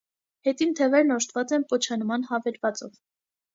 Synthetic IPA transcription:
hɛt̪int̪ʰɛvɛɾnɔʃt̪vɑt͡sɛnpɔt͡ʃʰɑnmɑnhɑvɛɾvɑt͡sɔ̰v

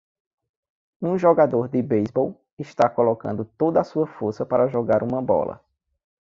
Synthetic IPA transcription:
ũʒɔɡad̪oɾd̪ɪbejzbow | ɪʃt̪akolɔkɐ̃nd̪ʊt̪od̪ɐasuɐfoɾsɐpaɾɐʒɔɡaɾʔũmɐbɔ̰lɐ̰

